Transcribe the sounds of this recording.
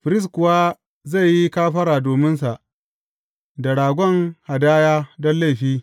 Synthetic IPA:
ɸɪ˨ɾɪ˦s̬kʷʊ˨wa˦ | za˦˨jːi˦kaː˦ɸɐ˦ɾaː˨doː˨mɪ˦nsa˨ʔ | da˨ɽaː˨ɡʷɔ˦ŋha˨daː˦jaː˦dɔ˦nla˦˨ɸiː˦

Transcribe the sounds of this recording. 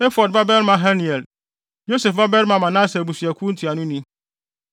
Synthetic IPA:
e˦fɔ˨d̚ba˦bɛ˦ɾmã˨ɦa˦ni˨ɛ˨l | jo˦sɛ˨fba˦bɛ˦ɾmã˨mã˨nã˦sɛ˨bu˨si˨æ˨kʷʰu˦n̩˦tʰi˨a˨nʊ̃˦nĩ˦

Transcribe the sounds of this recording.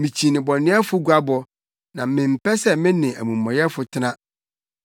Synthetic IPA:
mĩ˨t͡ɕʰi˨nɪ̃˨bɔ˨nɪ̃˦ɛ˦fʊ˦ɡu˦a˦bɔ˨ | nã˨mɪ̃˨m̩˨pʰɛ˦sɛ˦mɪ̃˦nɪ̃˨æ̰˨mũ˨mː˨ɔ̃˨jɛ˦fʊ˨tʰɪ˦nã˦

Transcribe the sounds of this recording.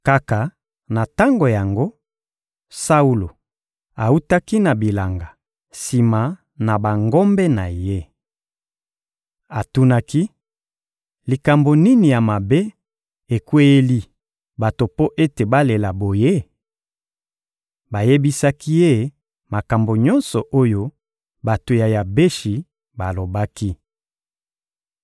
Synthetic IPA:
ka˦ka˨ | na˨ta˦ŋɡo˨ja˨ŋɡo˦ | sa˦u˦lo˨ | a˨u˦ta˦ki˦na˨bi˨la˨ŋɡa˨ | si˨ma˨ | na˨ba˨ŋɡo˦mbɛ˦na˨je˦ | a˨tu˦na˦ki˦ | li˨ka˨mbo˨ni˦ni˨ja˨ma˨be˦ | e˨kwe˦e˦li˦ | ba˨to˨po˦ʔe˦te˨ba˦le˨la˨bo˨je˦ | ba˨je˦bi˦sa˦ki˦je˦ | ma˨ka˨mbo˨ɲɔ˦nsɔ˨ʔo˦jo˦ | ba˨to˨ja˨ja˨be˦ʃi˨ | ba˨lo˨ba˦ki˦

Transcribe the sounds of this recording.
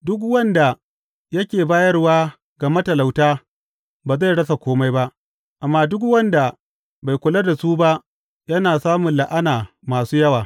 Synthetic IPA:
dʊ˦k̬wɐ˦nda˨ | jɐ˦kʲeː˨baː˦jɐ˦rwaː˦ | ɡa˨mɐ˦tɐ˨la˨wtaː˦ | baː˨za˦˨jɽɐ˦s̬a˨kʷoː˦ma˦jba˦ʔ | ʔa˨mːaː˦dʊ˦k̚wɐ˦nda˨ | ba˨jkʷʊ˨la˦da˨suː˦ba˦ʔ | jɐ˦naː˨saː˦mʊ˨nla˨ʔa˦naː˨ | maː˨suː˦jɐ˦waː˨

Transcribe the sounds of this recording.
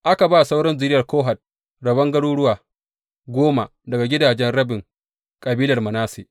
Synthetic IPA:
ʔa˦ka˨baː˦˨sa˦wɽɔ˦nzɪ˦ɾɪ˦jɐ˨rkoː˦ɦa˨t̚ | ɽɐ˨bɐ˦ŋɡɐ˦ɽuː˦ɽʊ˦waː˨ | ɡʷoː˦ma˨ | dɐ˨ɡa˨ɡʲɪ˦daː˨d͡ʒɛ˦nɽɐ˦bɪ˨ŋ | kʼɐ˨biː˦lɐ˨rmɐ˨naː˦sḛ˨

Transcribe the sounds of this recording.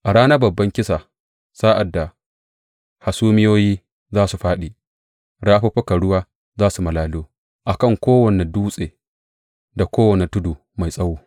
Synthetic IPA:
ʔa˨ɽaː˦na˦bɐ˨bːɐ˦ŋkʲɪ˦sa˨ | saː˦ʔa˨dːa˨ | ha˨suː˦mɪ˦joː˦jiː˦ | zaː˦su˨ɸaː˦ɗi˨ | ɽaː˦ɸɐ˦ɸɐ˦ka˨ɽʊ˦waː˦ | zaː˦su˨mɐ˨laː˦luː˦ | ʔa˨kɐ˦˨ŋkʷoː˦wɐ˨ne˨duː˦sʼeː˨ | da˨kʷoː˦wɐ˨ne˨tʊ˦duː˨ | ma˨jsʼɐ˦wuː˦

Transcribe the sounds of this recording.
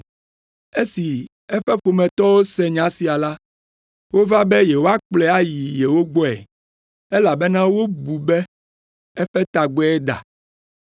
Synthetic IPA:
e˦si˨ | ɛ˦ɸɛ˦ɸo˨mɛ̃˨t̪ɔ˦wo˦sɛ˦ɲã˦si˨a˨la˦ | wo˦va˦bɛ˦jɛ˨wo˦a˦k͡plɛ˦a˦ji˨je˨wo˦ɡ͡bɔ˦ɛ̰˨ | e˦la˨bɛ˦nã˦wo˦bu˨be˦ | ɛ˦ɸɛ˦t̪a˨ɡ͡bɛ˦ɛ˦d̪a̰˨

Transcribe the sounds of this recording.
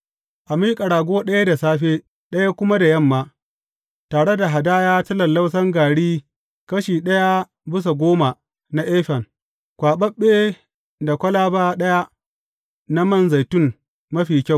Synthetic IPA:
ʔa˨miː˦kʼɐ˨ɽaː˨ɡʷoː˦ɗɐ˦ja˦da˨saː˦ɸeː˦ | ɗɐ˦ja˦kʷʊ˦ma˦da˨jɐ˦˨mːaː˦ | taː˨ɽe˦da˨ɦa˨daː˦jaː˦tɐ˦lɐ˨lːɐ˦ws̬ɐ˦ŋɡaː˨ɽiː˦ | kɐ˦ʃiː˨ɗɐ˦ja˦ | bɪ˦s̬a˨ɡʷoː˦ma˨ | na˦ʔeː˦ɸɛ˨ŋ | kʷaː˨ɓɐ˦ɓːeː˦ | da˨kʷɐ˦laː˦baː˦ɗɐ˦ja˦ | na˦mɐ˦˨nza˨jtʊ˦ŋ | mɐ˦ɸiː˨kʲa˦˨

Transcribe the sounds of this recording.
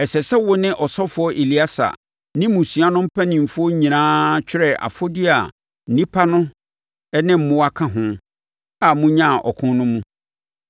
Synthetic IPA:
ɛ˨sɛ˨sɛ˦wʊ˦nɪ̃˦ʔɔ˨sɔ˦fʊ˨˦ɔ˦ʔe˨li˨˦a˦sa̰˨ | nɪ̃˦mũ˨sɥa˦nʊ̃˦m̩˦pʰɛ˦nɪ̃˨m̩˨fʊ˦ɔ˦ɲĩ˨nãː˦t͡ɕᶣɪ˦ɾɛ˨ʔa̰˨fɔ˦dɪ˦a˨ | n̩˨nĩ˦pʰa˦nʊ̃˦ | ɛ˦nɪ̃˦m̩˨mʊ̃˦wa˦kʰã˦ɦʊ̃˦ | a˨mũ˦ɲã˦˨ʔɔ̰˨kʰʊ̃˦nnʊ̃˦mũ˦

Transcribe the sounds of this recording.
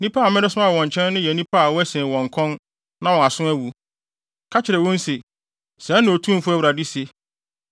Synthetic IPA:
nĩ˦pʰa˦a˨mɛ̃˦ɾɛ˦sʊ˦ma˦a˨ɔ̃˨ɲ˨t͡ɕʰɛ̃˦n˦nɪ̃˦jɛ˨nĩ˦pʰa˦a˨wɔ˦æ˦sɛ̃ː˨wɔ̃˨ŋ˨kʰɔ̃˦n | nã˦wɔ̃˨a˨sʊ̃˦æ˦wu˨ | kʰa˦t͡ɕʰɪ˨ɾɛ˨wɔ̃˦n˦se˨ | sɛ̃˨˦nʊ̃˨ɔ˨tʰũ˦m˨fʊ˦æ˦˨wɾa˨di˦se˨

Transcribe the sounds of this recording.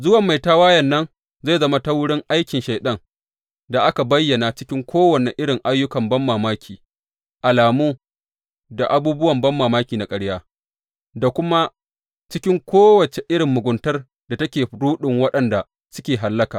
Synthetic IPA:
zʊ˦wɐ˨mːa˨jtaː˦waː˦jɐ˨nːɐ˦n | za˦˨zɐ˦ma˦ta˦wʊ˦ɽɪ˦ŋʔa˦jkʲɪ˨nʃa˨jɗɐ˦ŋ | da˨ʔa˦ka˨bɐ˦jːɐ˨na˨t͡ʃɪ˦kʲɪ˦ŋkʷoː˦wɐ˨ne˨ʔɪ˦ɽɪ˨ŋʔa˦jːʊ˦kɐ˨mbɐ˦mːaː˨maː˦kʲʰiː˨ | ʔa˨laː˨muː˦ | da˨ʔa˨˦buː˦bʊ˦wɐ˨mbɐ˦mːaː˨maː˦kʲiː˨na˨kʼɐ˦ɽjaː˦ | da˨kʷʊ˦ma˦ | t͡ʃɪ˦kʲɪ˦ŋkʷoː˦wɐ˨t͡ʃe˨ʔɪ˦ɽɪ˨mːʊ˨ɡʷʊ˨ntɐ˦r | da˨tɐ˦kʲeː˨ɽuː˦ɗɪ˨ŋwɐ˦ɗɐ˨nda˨ | sʊ˦kʲeː˨ɦa˨lːɐ˦kaː˨

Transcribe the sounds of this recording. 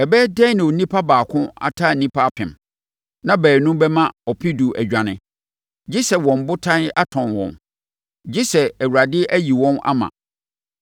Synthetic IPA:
ɛ˨bɛː˦dɛ˦nɪ̃˨ɔ˨nĩ˦pʰa˦baː˨kʰʊ̃˦a̰˦tʰaː˦˨nĩ˦pʰa˦a˦˨pʰɪ̰̃˨m | nã˦bæː˨nʊ̃˦mbɛ˦mã˦ɔ˨pʰi˦du˨ʔæ̰˨d͡ʑᶣã˨nɪ̃˨˦ | d͡ʑi˦sɛ˨wɔ̃˨m˨bʊ˦tʰã˦na˦tʰɔ̃˨nwɔ̰̃˨n | d͡ʑi˦sɛ˨æ˨wu˨ɾa˨dɪ˦ʔæ˦ji˨wɔ̃˦na̰˦mã̰˨

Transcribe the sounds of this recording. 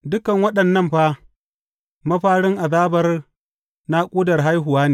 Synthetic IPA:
dʊ˦kɐ˨ŋwɐ˦ɗɐ˨nːɐ˦˨mɸaː˦ | mɐ˦ɸaː˦ɽɪ˦ŋʔa˨ðaː˦bɐ˦r | na˦kʷʼuː˦dɐ˨rɦa˦jɦʊ˨waː˦neː˨

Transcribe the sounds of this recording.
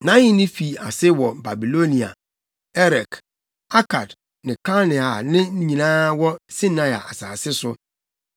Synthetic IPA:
nã˦ɲɪ̃˦nɪ̃˦fi˨a˨sɪ˦wɔ˨ba˨bi˨lo˦nĩ˨a̰˨ | ɛ˦ɾɛ˨k | a˦kʰa˨d | nɪ̃˨ka˦lnɪ˨a˨nɪ̃˦ñ̩˦ɲĩ˨nãː˦wɔ˦si˦nã˦ja˨a˨saː˨sɪ˦sʊ˦

